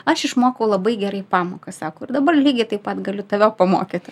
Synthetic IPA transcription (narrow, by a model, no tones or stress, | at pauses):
ɐʃɪʃmoːkɐʊlˠɐbɐɪɡʲɛɾɐɪpɑːmoːkɐsɑːkoʊɪrd̪ɐbɐrlʲiːɡʲɪt̪ɐɪpɐt̪ɡɐlʲʊt̪ɐʋʲoːpɐmo̰ːkʲeːt̪ʲ